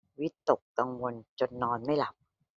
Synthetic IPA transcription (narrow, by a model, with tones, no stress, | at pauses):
wi˦˥t̪ːo˨˩kːa˧ŋwo˧nt͡ɕo˧nːɔː˧nma˥˩jla˨˩˦p̚